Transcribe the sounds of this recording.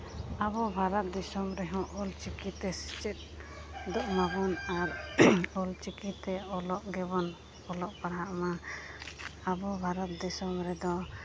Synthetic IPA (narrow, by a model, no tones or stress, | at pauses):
abɔbʱaɾɔt̪̚d̪ɛsɔmɾɛɦɔ̃ʔɔlt͡ʃikit̪ɛsi̥t͡ʃɛt̪̚d̪ɔʔmaɡunaɾɔlt͡ʃikit̪ɛɔlɔʔɡɛbɔn | ɔlɔʔpaɾɦaʔma | abɔbʱaɾat̪̚d̪ɛsɔmɾɛd̪ɔ